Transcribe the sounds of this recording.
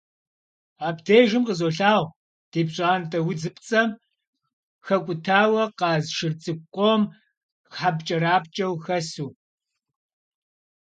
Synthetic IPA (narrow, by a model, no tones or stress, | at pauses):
aːbdeːʒɨmqəzoːɬaːʁ | d̥eːbɕʼaːntʼɐwʊd͡zɨpʼt͡sʼɐm | xɐkʷʼʊtʰaːwɐqɑːzʃɨrt͡sʼɨkʷʼom | ħabt͡ʃʼɐɾaːp̚t͡ʃʼɐwxɐsuː